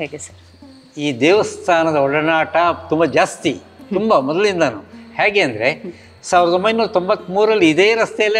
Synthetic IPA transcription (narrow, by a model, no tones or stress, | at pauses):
ɦeːɡesɐɾ | iːd̪eːʋɐst̪ʰaːnɐd̪ɐɔɭɐnaːʈɐt̪umbɐd͡ʒaːst̪i | t̪umbɐmɔd̪ɐlind̪aːnuhaːɡeːɐnd̪ɐɾe̞ | saːʋiɾɐd̪ombɐjnnuːɾɐt̪o̞mbɐt̪ːmuːɾɐlːiːd̪e̞ːɾɐst̪ɛjɐlːi